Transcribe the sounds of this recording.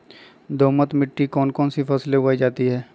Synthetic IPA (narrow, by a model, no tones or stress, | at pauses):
d̪oːmət̪mɪʈːikɔːnkɔːnsifʰɐsleʊaːid͡ʒaːt̪iɦɛː